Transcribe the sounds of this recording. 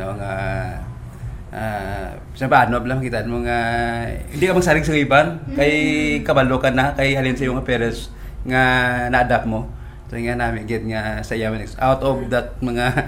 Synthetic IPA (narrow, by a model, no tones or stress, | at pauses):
noŋa | ʔa | sɐmbaʔanoblamɐkiːt̪aʔnmoŋahɪnd̪ikɐmɐɡ̚saːɾɪɡs̬ɐɡibankɐjkɐbɐlokɐnːakɐjhɐlɪnsɐjoŋɐpɛɾɛs | ŋanɐʔɐd̪ap̚mo̞ | sojŋanamɪɐɡɪt̪̚ŋasɐʔɪjamɐnɛksʔawt̪ovd̪ɐt̪̚mɐŋa